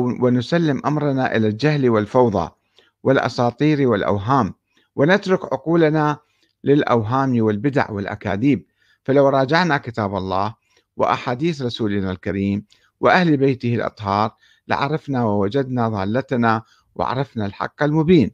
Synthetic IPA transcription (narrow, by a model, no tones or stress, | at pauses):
wɪnʊsalːɪmʔamɾˤnaʔɪlald͡ʒahlwɪlfɑwðˤɑ̰ | wɪlʔɑ̰sˤɑːt̪ˤiːɾwɪlʔa̰wɦaːm | wɪnat̪ɾˤʊkʕʊ̰quːlana | lɪlʔa̰wɦaːmiwɪlbɪd̪a̰ʕwɪlʔa̰ka̰ːðiːb̚ | falawɾˤɑːd͡ʒaʕnakɪt̪aːbɑlˤːɑːh | wɪ̰ʔa̰ħaːd̪iːθɾˤɑsuːlnalkaɾiːm | wɪʔahlbejt̪ɪhɪlʔɑ̰t̪ˤhɑːɾˤ | lɪ̰ʕɑ̰ɾˤɑfnawɪwad͡ʒad̪naðˤɑːlːat̪na | wɪ̰ʕɑ̰ɾˤɑfnalħɑ̰qːalmʊbiːn